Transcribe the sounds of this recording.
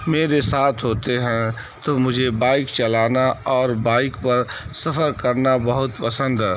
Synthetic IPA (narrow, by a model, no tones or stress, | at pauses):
meːɾesaːt̪ʰɦoːt̪eɦɛ̃ | t̪omʊd͡ʒʱebaːɪkt͡ʃɐlaːnaɔːɾbaːɪkpɐɾsɐfʰəɾkɐɾnabəɦʊt̪pəsə̃nd̪ɛ